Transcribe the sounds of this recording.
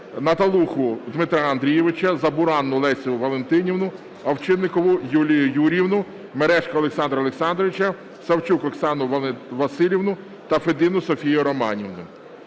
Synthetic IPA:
nɐt̪ɐlˠuxʊd̪mɪt̪ɾaɐnd̪ɾʲijɛʋɪt͡ʃɐzɐbʊɾɑnːʊlˠɛsʲiʊʋɐlˠent̪ɪnʲiwnʊ | ɐwt͡ʃɪnːɪkɔʋʊjulʲijʊjuɾʲiwnʊ | meɾɛʃkɐɔlˠeksɑnd̪ɾɐɔlˠeksɑnd̪ɾɔʋɪt͡ʃɐ | sɐwt͡ʃukɔksɑnʊʋɐsɪlʲiʋnʊ | t̪ɐfed̪ɪnʊsɔfʲijʊɾɔmɑnʲiwnʊ

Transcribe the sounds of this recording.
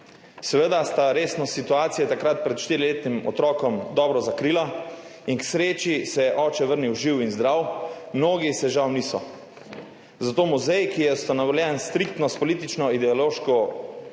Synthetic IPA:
sɛʋəd̪ast̪aɾeːsnɔsit̪uaːt̪sijɛt̪akɾat̪̚pɾɛt̪ʃt̪iːɾileːt̪nimɔ̰t̪ɾɔːkɔmd̪ɔːbɾɔzakɾiːla | inksɾeːt͡ʃisɛjɛʔɔːt͡ʃɛʋəɾniwʒiwinzd̪ɾawmnoːɡisɛʒawniːsɔ | zat̪oːmuzɛjkijɛst̪anaʋɔljɛnst̪ɾikt̪nɔspɔliːt̪it͡ʃnɔid̪ɛɔloːʃkɔ

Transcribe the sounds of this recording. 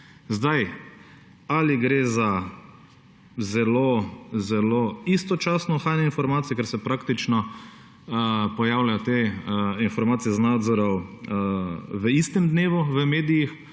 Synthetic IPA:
zd̪aj | aliɡɾeza | zɛlozɛloist̪ɔt͡ʃaːsnɔxaːjnɛinfɔɾmaːt̪ijɛkɛɾsɛpɾakt̪it͡ʃnɔ | pɔjaːwlajɔt̪einfɔɾmaːt̪sijɛznaːd̪zɔɾɔ | ʋəist̪ɛmd̪neːʋuʋəmeːd̪ijix

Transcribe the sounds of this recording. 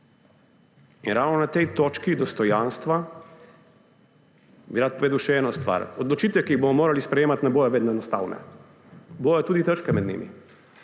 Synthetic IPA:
inɾawnɔnat̪ɛjt̪oːt͡ʃkid̪ɔst̪ɔjanst̪ʋa | biɾat̪̚pɔʋeːd̪awʃɛɛːnɔst̪ʋa̰ɾɔd̪lɔt͡ʃit̪ʋɛkiiɣbomɔmoːɾalispɾɛjeːmat̪nɛboːjɔʋeːd̪nɔɛnɔst̪a̰ːwnɛ̰ | boːjɔt̪uːd̪it̪ət͡ʃkɛmɛd̪nḭmḭ

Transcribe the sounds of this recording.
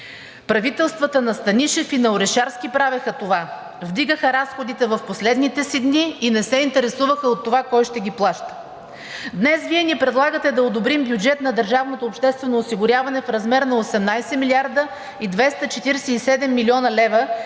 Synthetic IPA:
pɾɐvit̪ɛlˠst̪vət̪ənɐst̪ɐniʃɛfinɐoɾɛʃaɾskʲipɾavɛxət̪ova | vd̪iɡəxəɾasxod̪it̪ɛvɐfposlɛd̪nit̪ɛsid̪niːnɛsɛint̪ɛɾɛsuvəxəot̪ːovakɔjʃt̪ɛɡʲiplˠaʃt̪ə̥ | d̪nɛsviɛniɛpɾɛd̪lˠaɡət̪ɛd̪ɐod̪obɾimbjud͡ʒɛt̪nɐd̪əɾʒavnot̪oːpʃt̪ɛst̪vɛnoːsiɡʊɾʲjavɐnɛfɾɐzmɛɾnɐosɛmnajsɛmilʲiaɾd̪ə | id̪vɛst̪ət͡ʃɛt̪iɾɛsɛisɛd̪ɛmːilʲiɔnɐlɛvə

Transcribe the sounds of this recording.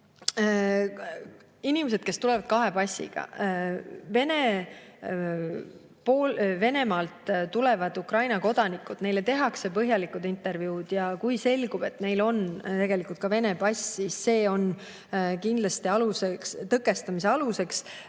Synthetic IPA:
inimes̬e̞d̪̥ke̞st̪ule̞vɑd̪̥̚kɑɦe̞pɑsːḭɡ̥ɑ̰ | ve̞ne | poːlve̞ne̞mɑːlt̪t̪ːulevɑd̪ukrɑjnɑko̞d̪̥ɑnikːˑud̪̥ne̞jlet̪e̞ɦɑkse̞pɤɦjɑlikːˑud̪int̪ːˑe̞rvjuːd̪̥jɑkujse̞lɡ̥ub̥e̞t̪ne̞jlo̞nt̪e̞ɡ̥e̞likult̪̚kɑve̞ne̞pɑsʲːisːe̞ːo̞n | kind̪lɑst̪iɑlusekst̪ɤkːˑe̞st̪ɑmis̬eɑluse̞ks

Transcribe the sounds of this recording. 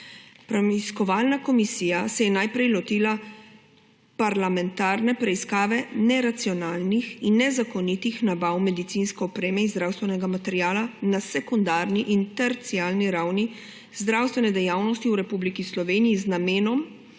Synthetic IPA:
pɾɛmiskɔʋaːlnakɔmisijasɛjɛnajpɾɛjlɔt̪iːla | paɾlamɛnt̪aːɾnɛpɾɛiskaːʋɛnɛɾat̪siɔnaːlnixinːɛzakɔnit̪ixnabawmɛd̪it̪sinskɛɔpɾeːmɛinzd̪ɾawst̪ʋɛnɛɡamat̪ɛɾjaːlanasɛkund̪aːɾniʔint̪ɛɾt̪siaːlniɾawni | zd̪ɾawst̪ʋɛnɛd̪ɛjawnɔst̪iuwɾɛpublikislɔʋeːnijiznameːnɔm

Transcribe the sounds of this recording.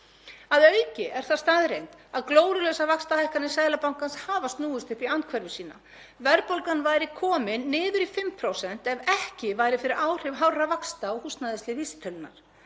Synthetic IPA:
aðœɥcɪʔɛɾ̥θaðst̪aːðɾejnt̪aðkloːwɾʏlɛsavakst̪ahajhkanɪsaːjlapawŋkanshaːvast̪nuːʏst̪ʏhpiant̪̚kʰvɛɾvʏsiːna̰ | vɛɾpowlkanvaːjɾɪkʰɔːmɪnːɪːðʏɾifɪmpʰɾowsɛn̥t̪ɛvɛhcɪvaːjɾɪfɪɾɪɾaːwr̥ɪvɦawravakst̪aɔɣhust̪naðɪst̪ɪvist̪ʰʏlna̰ɾ̥

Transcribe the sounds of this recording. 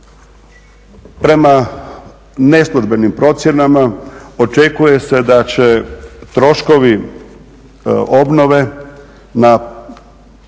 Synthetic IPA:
pɾe̞ma | ne̞slˠuʒbe̞nimpɾo̞t̪sʲje̞namao̞t͡ʃe̞kuje̞se̞d̪at͡ɕet̪ɾo̞ʃko̞ʋi | o̞bno̞ʋe̞ | na

